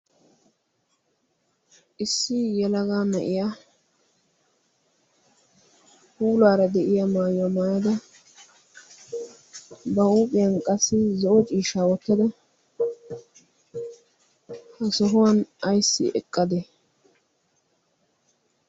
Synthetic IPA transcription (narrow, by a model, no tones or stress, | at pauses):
ʔɪsːɪjɛlɐɡaːnɐʔɪjaː | huːlaːɾɐd̪ɛʔɪjamaːjʊwamaːjɐd̪ɐ | bɐuːpʼɪjɐnkʼɐsːɪzɔʔɔt͡ʃʼiːʃaːwɔt̪ːɐd̪ɐ | hɐsɔɦʊwɐnɐjsːɪ̰ʔɛ̰kʼːɐd̪ɛ